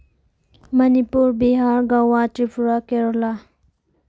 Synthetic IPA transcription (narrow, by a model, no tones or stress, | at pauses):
mənipuɾbiɦaɾɡawatipuɾakeɾɔla